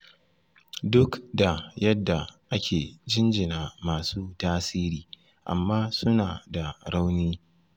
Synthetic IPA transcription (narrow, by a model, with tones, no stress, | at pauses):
dʊ˦kda˨jɐ˦dːa˨ʔa˦kʲeː˨d͡ʒɪ˦nd͡ʒɪ˨naː˨maː˨suː˦taː˦siː˦ɾiː˨ | ʔa̰˨mːaː˦sʊ˦naː˨da˨ɽa˦wniː˦